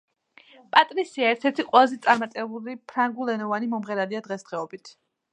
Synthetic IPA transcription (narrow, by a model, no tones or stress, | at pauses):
pʼat̪ʼɾisiaɛɾt̪ʰɛɾt̪ʰiqʼwɛlˠazɛt̪sʼaɾmat̪ʼɛbulipʰɾaŋɡulˠɛnɔvanimɔmʁɛɾaliad̪ʁɛsd̪̥ʁɛɔbit̪ʰ